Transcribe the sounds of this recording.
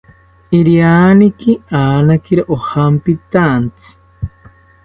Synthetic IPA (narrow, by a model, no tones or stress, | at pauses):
iɾjanikiaːnakiɾaʔohampit̪ant͡sʰi̥